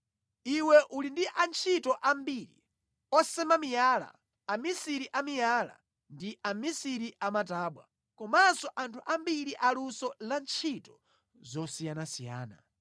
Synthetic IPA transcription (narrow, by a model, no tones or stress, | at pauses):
iwɛʔulindiʔant͡ʃʰitɔʔambiːɾḭ | ɔsɛmamijaːla̰ː | misiɾiʔamijaːla̰ | ndiʔamisiɾiʔamataːɓwa̰ | kɔmasɔʔantʰuʔambiɾiʔalusɔlant͡ʃʰitɔ̥ | zɔsijanasija̰ːna̰